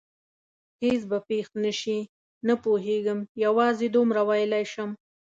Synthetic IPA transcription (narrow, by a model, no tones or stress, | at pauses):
hes̬bapext̪nəʃi | napoɦeɡəmjawɑzed̪omɾawajəlajʃəm